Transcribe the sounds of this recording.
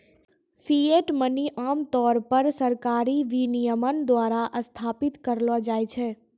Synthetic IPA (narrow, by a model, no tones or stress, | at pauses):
fʰieʈməniʔaːmt̪ɔːɾpəɾsəɾkaːɾiʋinijəmənd̪waːɾaʔəst̪ʰaːpɪt̪kəɾlɔd͡ʒaːjt͡ʃʰɛː